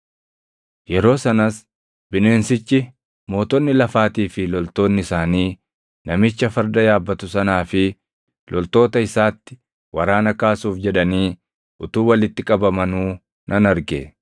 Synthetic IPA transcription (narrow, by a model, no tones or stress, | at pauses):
jɛɾo̞ːsɐnɐs | bɪne̞ːnsɪt͡ʃːɪ | mo̞ːt̪ɔnːɪlɐfaːt̪iːfɪlɔlt̪o̞ːnːɪɪsaːniː | nɐmɪt͡ʃːɐfɐɾd̪ɐjaːbːɐt̪ʊsɐnaːfɪ | lʔɔlt̪o̞ːt̪ɐɪsaːt̪ːɪ̥ | wʔɐɾaːnɐkaːsuːfd͡ʒɛᶑɐniː | ʔʊt̪uːwɐlɪt̪ːɪkʼɐbɐmɐnuː | nʔɐnɐɾɡḛ